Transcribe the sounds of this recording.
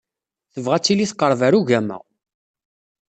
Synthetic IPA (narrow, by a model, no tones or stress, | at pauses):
θəvʁæt͡sːiliθqːəɾˤvæɾuʝæmæ̰ʁ